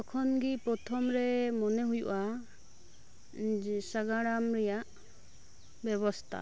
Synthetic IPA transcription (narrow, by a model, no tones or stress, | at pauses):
ɔkʰɔnɡipɾɔt̪ʰɔmɾɛmɔnɛɦujṵʔa | saɡaɽamɾɛjaʔ | bjɛβɔst̪ʰa̰